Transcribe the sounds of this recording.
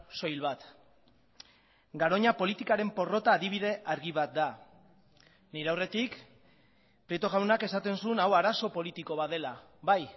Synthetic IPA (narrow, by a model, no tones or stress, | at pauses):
so̞jlβat̪ | ɡaɾo̞ɲapo̞lit̪ikaɾe̞mpo̞ro̞t̪aːðiβ̞iðe̞ʔaɾɣiβ̞at̪̚d̪a | niɾeawre̞t̪ik | pɾet̪o̞ɣawnake̞sat̪e̞nsunawaɾaso̞po̞lit̪iko̞βaðe̞la | βaj